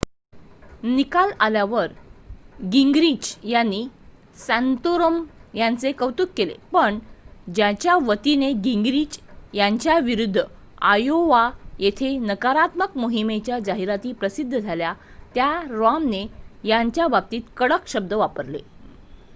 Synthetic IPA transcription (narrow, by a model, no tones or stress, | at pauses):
nikalaljaʋəɾ | ɡiŋɡɾit͡ɕjanːi | sãnt̪oɾəmjant͡sekəwt̪ukkːelḛpəɳd͡ʑãt͡ɕjaʋət̪ineɡiŋɡɾiːd͡ʑjaɲt͡ɕjaʋiɾud̪ʱːə | ajoʋajet̪ʰenəkaɾat̪məkmoɦimet͡ɕjad͡zaɦiɾat̪iːpɾəsid̪ʱːəd͡zʱalja | t̪jaɾoamnejaɲt͡ɕjabab̚t̪iːt̪kəɽəkɕəb̚d̪əʋapəɾlḛ